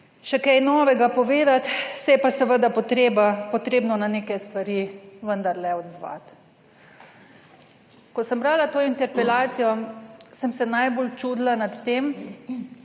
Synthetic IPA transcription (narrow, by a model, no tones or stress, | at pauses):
ʃɛkɛjnɔːʋɛɡapɔʋeːd̪at̪sɛjɛpasəʋəd̪apɔt̪ɾebapɔt̪ɾeːbnɔnaneːkɛst̪ʋaɾiʋənd̪aɾlɛɔd̪zʋa̰t̪ | kɔsəmbɾaːlat̪oːint̪ɛɾpɛlaːt̪sijɔsəmsɛnajbolt͡ʃuːd̪lanat̪ːeːm